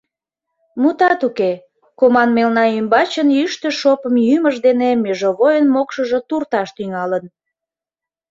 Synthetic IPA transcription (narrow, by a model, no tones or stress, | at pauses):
mut̪ɑt̪uke | komɑnmelnɑymbɑt͡ɕənyʃt̪ə̆ʃopəmjyməʒd̪enemeʒoβojənmokʃəʒə̽t̪urt̪ɑʃt̪yŋɑlən